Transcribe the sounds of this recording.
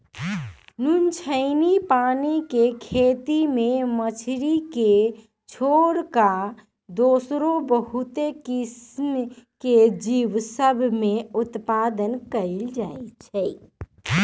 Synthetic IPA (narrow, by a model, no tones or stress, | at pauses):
nunt͡ʃʰənipanikekʰet̪imemət͡ʃʰɾike | t͡ʃʰoɾka | d̪osɾobəɦut̪ekismked͡ʒiʋsəbʱmeut̪pad̪ənkəld͡ʒajt͡ʃʰɛj